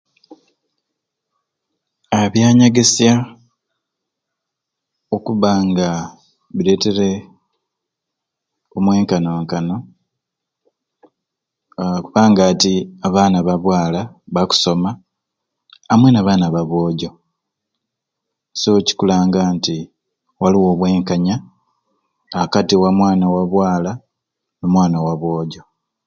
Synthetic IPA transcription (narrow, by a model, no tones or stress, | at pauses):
aβjaːɲaɡesja | okuβaŋɡa | βile̞ːte̞ɾe̞ | omwe̞ːŋkano̞ːŋkano̞ | kuβaːŋɡaːtiaβaːnaβaβwaːlaβaku̥so̞ma | mwenaβaːnaβaβo̞ːɟo̞ | soci̥kulaːŋɡaːnti | waliwo̞ːβwe̞ːŋkaɲa | katiwamwaːnawaβwaːla | numwaːnawaβo̞ːɟo̞